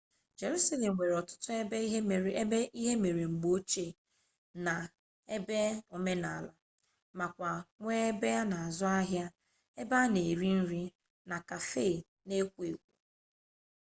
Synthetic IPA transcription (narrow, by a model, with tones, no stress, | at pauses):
d͡ʒe˨ɾu˦sa˦le˨m̩˨we˨ɾɔ˨tʊ̥˦tʊ˦˨˦e˦i˦ɦe˦me˨ɾe˨ŋ͡m̩˨ɡ͡bo˦t͡ʃe˦˨ | na˨ | e˦be˦o˨me˦na˨la˨ | ma˨kʷa˨ŋʷe˦e˦be˦a˦na˨a˨zʊ˦a˦ɦja˦ | e˦ba˦ne˨ɾi˦n̩˦ɾi˦ | na˨ka˨fe˦˨ | ne˦kʷe˨kʷṵ˨